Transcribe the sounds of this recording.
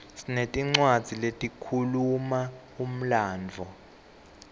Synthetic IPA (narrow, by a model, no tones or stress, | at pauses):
sinetʼiŋ͡ǀwad̥d͡z̥ʱiletʼikʰuluma | um̩laːnd͡vʱɔ